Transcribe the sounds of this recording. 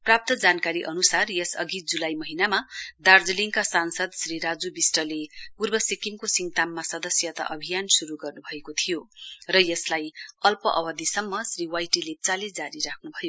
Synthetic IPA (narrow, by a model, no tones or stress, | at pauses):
prap̚t̪ʌd͡zankaɾiʔʌnusarjesʌ̰ɡid͡zulajmʌɦinamad̪ard͡zʌliŋkasansʌd̪sriɾad͡zubisʈʌlepurbʌsikiŋkosiŋt̪amːasʌd̪ʌsjʌt̪a̰ʔʌbʱijansuɾuɡʌrnubʱʌekot̪ʰijorʌjʌslajʌlpʌʔʌbʌd̪isʌmːʌsriwajʈilet͡saled͡zaɾiɾakʰnubʱʌjo